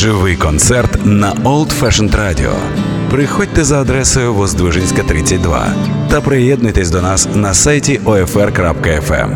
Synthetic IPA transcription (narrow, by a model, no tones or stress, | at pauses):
ʒɪʋɪjkɔnt̪sɛrt̪nɐɔlˠt̪fɛʃɛnt̪ɾadʲɪ̰ɔ̰ | pɾɪxɔd̚ʲt̪ɛzɐːd̪ɾɛsʊjʊʋɔzd̪ʋɪʒɪnʲsʲkɐt̪ɾɪt͡sʲːɐt̚ʲd̪ʋa̰t̪ɐpɾɪjɛd̪nʊjt̪esʲd̪ɔnasnɐsajtʲiʔɔɛfɛrkɾapkɐɛfɛ̰m